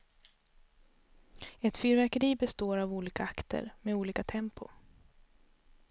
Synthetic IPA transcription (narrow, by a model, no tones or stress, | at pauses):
ɛt̪fyːɾvæɾkəɾiːbɛst̪oːɾavuːliːkaakt̪ʰə̰ɾmeːuːliːkat̪ʰɛmpʰʊ̰